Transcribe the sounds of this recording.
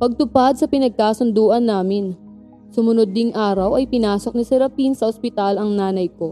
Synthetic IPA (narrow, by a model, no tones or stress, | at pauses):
pɐɡ̚t̪ʊpad̪̚sɐpɪnɐɡ̚kaːsʊnd̪uːʔɐnːaːmɪn | sʊmʊnod̪ːɪŋʔaːɾɐwʔɐjpɪnaːso̞k̚nɐsɛɾɐpinsɐʔospɪt̪alɐŋnaːnɐjko̞